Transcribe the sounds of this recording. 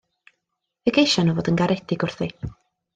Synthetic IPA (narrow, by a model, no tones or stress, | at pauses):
vɛɡejʃanɔvoːdənɡaɾɛdɪɡʊr̥θi